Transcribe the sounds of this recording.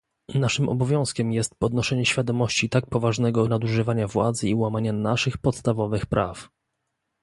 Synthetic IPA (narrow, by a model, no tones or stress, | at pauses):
naʂɘmɔ̰bɔvʲjɔ̃w̃skʲɛmjɛst̪̚pɔd̪nɔʂɛɲɛɕfʲjad̪ɔmɔɕt͡ɕit̪ak̚pɔvaʐnɛɡɔnad̪uʐɘvaɲavwa̰d̪zɘiwamaɲanaʂɘxpɔt̪st̪avɔvɘxpɾʔa̰f